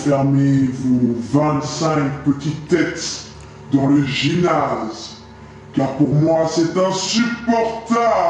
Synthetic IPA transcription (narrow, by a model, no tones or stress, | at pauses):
fɛʁmevovɛ̃t̪sɛ̃k̚pət̪it̪ːɛt̪ | d̪ɑ̃ləʒinaz | kaʁpuʁmwasɛt̪ɛ̃sypɔʁt̪a